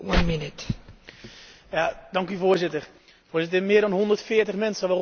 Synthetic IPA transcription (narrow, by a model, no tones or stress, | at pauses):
wʌ̃nmɪnɪt | jadɑŋkyvoːɹzɪtər | foːzɪt̬əmɪədɑnɦɔndərtfɪːəɹtəχmɛnsəʋər